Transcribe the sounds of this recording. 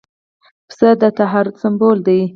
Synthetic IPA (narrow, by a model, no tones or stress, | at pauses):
psəd̪ət̪aɦaɾʊd̪sambold̪aj